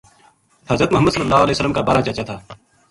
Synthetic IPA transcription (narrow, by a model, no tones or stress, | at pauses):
həzɾət̪mʊɦəmːəd̪səlːəlːaːɦoəlɛːsəlːəmkabaːɾaːt͡ʃat͡ʃat̪ʰaː